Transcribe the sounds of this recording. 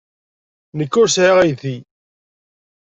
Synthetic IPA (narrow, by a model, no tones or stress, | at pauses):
nəkːʊɾsʕaʁæjθi